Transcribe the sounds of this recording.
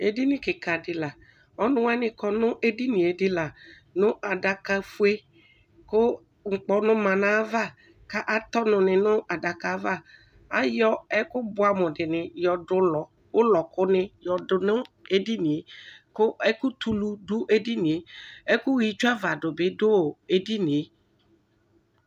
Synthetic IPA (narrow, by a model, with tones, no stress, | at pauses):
e˨di˦nɪ̃˨kɪ˨ka˨dɪ˨la˨ | ɔ˦nʊ̃˦wa˦nɪ̃˨kɔ˨nʊ̃˦ʔe˦di˦nĩ˨e˨dɪ˦la˨ | nʊ̃˦ʔa˨da˨ka˨fu˦e˦ | kʊ˦ | ŋ̩˨k͡pɔ˦nʊ̃˦mã˨nã˦va˦˨ | ka˦ʔa˨t̪ɔ˦nʊ̃˨nɪ̃˨nʊ̃˦a˨da˨ka˨˦va˦˨ | a˨jɔ˦ɛ˦kʊ˦bʊ˦a˨mʊ̃˨dɪ˨nɪ̃˨jɔ˨dʊ˦lɔ˨ | wʊ˦lɔ˨kʊ˦nɪ̃˦jɔ˨dʊ˨nʊ̃˦e˦di˦nĩ˨e˨kʊ˦ɛ˦kʊ˦t̪u˨lu˦dʊ˦ʔe˦di˦nɪ̃˨e˨ɛ˦kʊ˦wi˨t͡ʃu˦a˦va˨dʊ˨bɪ˦dʊ˦o˨e˦di˦nɪ̃˨e˨